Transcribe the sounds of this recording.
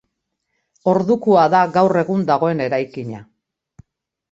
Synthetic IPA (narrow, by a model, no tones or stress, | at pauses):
o̞ɾðukuaðaɣawre̞ɣund̪aɣ̞o̞e̞ne̞ɾajkiɲa̰